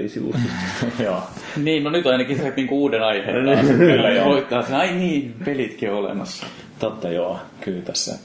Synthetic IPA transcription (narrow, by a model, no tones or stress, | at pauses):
lḭsiʋṵjoː | niːnnonyt̪ɑinɑkiset̪niːŋkuuːdenɑihḛːekylːæjɑoit̪ːˑɑɑseɑinniːnpelit̪kiolḛmɑsːɑ̥̰ | t̪ot̪ːɑjoːkyːlt̪æsːæ̰